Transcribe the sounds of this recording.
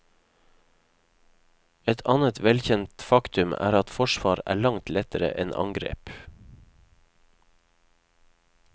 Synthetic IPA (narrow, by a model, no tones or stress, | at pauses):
ɛt̪ʰɑːnət̪ʰʋɛlçɛnt̪fɑkt̪ʉmæ̰ːɾɑt̪fɔʃʋɑːɾæ̰ːɭɑŋt̪lɛt̪əɾə̰ʔɛnʔɑ̰ŋɡɾḛːp